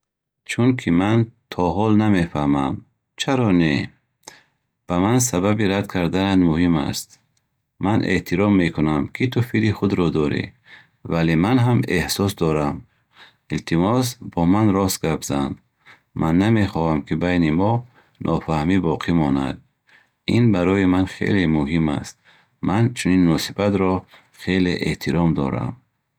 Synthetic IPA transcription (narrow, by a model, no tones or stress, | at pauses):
t͡ʃʰunkʰimant̪ʰɔɦɔlname̞fahmam | t͡ʃʰaɾɔne | b̥amans̬ababiɾad̪kʰaɾd̪anad̪muhima̰st̪ | manʔḛʔt̪ʰiɾɔmːe̞kʰunamkʰit̪ʰufiɾiχud̪ɾɔd̪ɔɾḭ | valemanɦamehsɔsd̪ɔɾam | ilt̪ʰimɔsbɔmanɾɔsɡabzan | mʔanːame̞χɔhamkʰibajnimɔ | nʔɔfahmibɔqʰimɔna̰d̪̚ | inbaɾɔjimanχḛlemuhima̰st̪̚ | mant͡ʃʰuninːɔsibat̪ɾɔ | χe̞leʔeht̪ʰiɾɔmd̪ɔ̰ɾa̰m